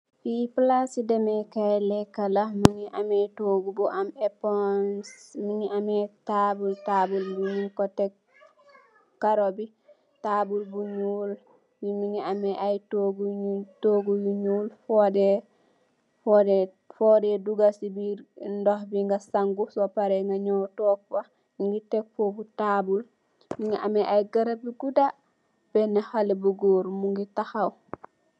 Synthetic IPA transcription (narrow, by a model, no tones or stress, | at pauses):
fiplasidɛmɛkajlɛkːalamiŋiʔamɛtoːɡubuʔamɛpɔnsmiŋiʔamɛtabultabulbuɲinkɔtːɛ | kaɾobi | taːbulbuɲuːl | jimiŋiamɛʔajtoɡuutoɡujuɲuːlfode | fode | fodeduɡasibiɾndohbiŋɡasaŋɡusopaɾeŋɡaɲotoːk̚ba | iŋɡitek̚fobutabul | miŋiʔameʔajɡaɾabiɡuda | b̥enehalebuɡoːɾmuŋɡitaxaw